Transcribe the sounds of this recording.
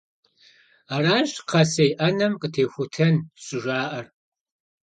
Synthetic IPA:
aːraːʒqʰɐsejʔɐnɐmqʼətʰeːxʷʊtʰɐnɕʼɪʒʷaːʔɐr

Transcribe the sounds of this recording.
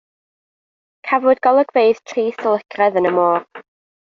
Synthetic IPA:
kʰavʊdɡɔlˠəɡveɨð̥tʰriːsəlˠɪkʰrɛðənəmoːr

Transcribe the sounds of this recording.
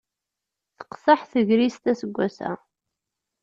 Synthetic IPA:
θə̥qsəħθəʝɾist̪æsəɡʷːæsæ̰

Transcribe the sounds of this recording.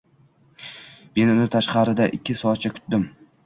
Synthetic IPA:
me̞nʊnɪt̪ʰaʃqɑɾɪd̪aʔɪkʲʰːɪsɒt͡ʃʰakʰʊ̥t̪̚d̪ɪm

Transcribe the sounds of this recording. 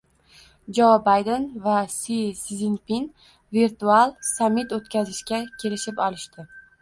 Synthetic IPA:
d͡ʒobajd̪envasisizinpin | viɾt̪ualˠsamːɪt̪ot̪̚kʲazɪʃkʲakʲʰe̞lɪʃɪpɒlˠɪʃt̪ɪ

